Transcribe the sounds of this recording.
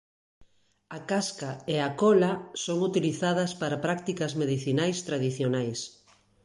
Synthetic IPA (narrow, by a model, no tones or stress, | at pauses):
akaskaeakɔlasoŋut̪iliθað̞ɐspaɾapɾak̚t̪ikɐzmeðiθinajst̪ɾaðiθjonajs